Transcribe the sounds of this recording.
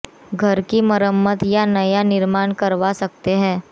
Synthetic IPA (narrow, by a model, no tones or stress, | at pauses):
ɡʱɐɾkimɐɾəmːət̪janɐjanɪɾmaːnkɐɾʋasɐk̚t̪eɦɛ̃ː